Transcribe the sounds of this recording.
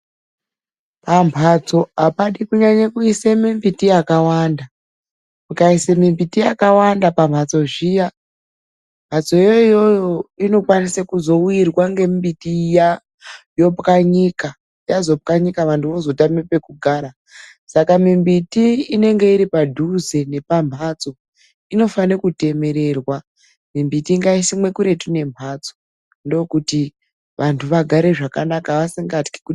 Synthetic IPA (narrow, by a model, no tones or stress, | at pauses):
pampʰat͡so̞apaɗikuɲaɲakuisemimbitijakawanda | mukaisemimbitijakawandapampʰat͡so̞ʐija | mpʰat͡so̞iojojoino̞kwanisakuzo̞uirwaŋɡe̞mbitija | jo̞pkaɲika | jazo̞p̚kaɲikaʋantuʋozo̞tamepe̞kuɡʱaːɾa | sakamimbitiːne̞ŋɡe̞iɾipadʱuzene̞pam̤at͡so̞ | ino̞fanekute̞me̞ɾe̞rwa | mimbitiːŋɡaisimwe̞kuɾe̞tune̞m̤at͡so̥ | ndokuti | ʋantʰuʋaɡʱaɾe̞ʐakanakaʋasiŋɡati̥ki̥ku